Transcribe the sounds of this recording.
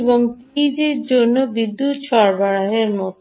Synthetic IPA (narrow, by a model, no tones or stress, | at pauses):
boŋpid͡ʑiɾd͡ʑonːobid̪ːut̪ʃʰɔɾbaɽaɦeɾmɔt̪